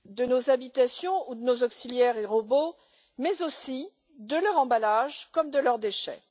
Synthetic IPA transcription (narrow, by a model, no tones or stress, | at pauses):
d̪ənozabit̪asjɔ̃ud̪ənozɔksiljɛʁeʁobo | mɛzosi | d̪əlœʁɑ̃balaʒkɔmd̪əlœʁd̪eʃɛ̰